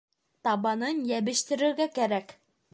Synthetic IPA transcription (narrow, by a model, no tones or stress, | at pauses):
t̪ɑbɑnɤnjɛbɘʃt̪ɪ̆ɾɘ̆ɾɡʲɛkʲæɾɛkʲ